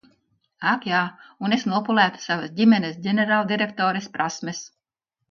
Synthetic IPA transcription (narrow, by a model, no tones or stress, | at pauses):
akjaːunesnuɔpulˠæːt̪savɐsɟimʲenesɟʲeneɾaːlˠd̪iɾekt̪ɔːɾespɾʔasmes